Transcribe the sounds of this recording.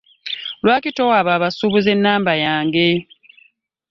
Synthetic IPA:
lwaːkito̞waːβaːβasuβuze̞nːaːmbajaːŋɡe̞

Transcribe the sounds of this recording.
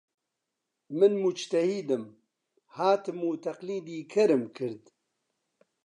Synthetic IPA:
mɨnmud͡ʒt̪ɐhiːd̪ɨm | haːt̪ɨmuːt̪ʰɐqliːd̪iːkʰɐɾɨmkʰɨɾd̪

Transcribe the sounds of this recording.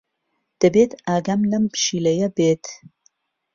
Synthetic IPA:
d̪̥ɐbeːt̪aːɡɐmnɐmpʃiːlɐjɐbeːt̪

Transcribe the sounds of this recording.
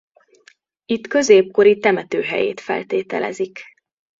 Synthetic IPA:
it̪kø̞zeːp̚ko̞ɾit̪ɛmɛt̪øːɦɛ̰jḛːt̪fɛ̰lt̪eːt̪ɛ̰lɛ̰zik

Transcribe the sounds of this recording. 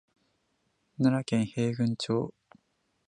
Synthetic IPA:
naɾakẽɰ̃he̞ːɡɯ̟̃ɲt͡ɕoː

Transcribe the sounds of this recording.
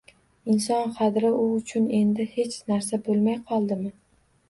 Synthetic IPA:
ɪnsɒnχɑd̪ɾɪʔʊʊt͡ʃʰʊne̞nd̪ɪhe̞t͡ʃnaɾsabolˠmajqʰɒlˠd̪ɪmɪ

